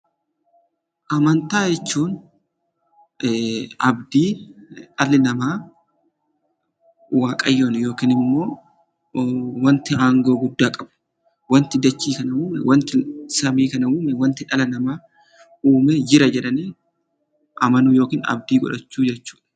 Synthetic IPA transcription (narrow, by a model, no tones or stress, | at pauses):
ʔɐmɐnt̪aːd͡ʒɛt͡ʃːuːn | ɐbd̪iːᶑɐlɪnɐmaː | waːkʼɐjːoːnjo̞ːkiːnɪmːo̞ː | wɐnt̪ɪaːŋɡo̞ːɡʊd̪ːaːkʼɐb̥ɐ̥ | wɐnt̪ɪd̪ɐt͡ʃːiːkɐnɐuːmɛ̰wɐnt̪ɪsɐmiːkɐnɐuːmɛwɐnt̪ɪᶑɐlɐnɐmaː | uːmeːd͡ʒɪɾɐd͡ʒɛᶑɐniː | ʔɐmɐnʊjo̞ːkiːnɐ̰b̚d̪iːɡɔ̰ᶑɐt͡ʃːuːd͡ʒɛt͡ʃːu̥ːᶑɐ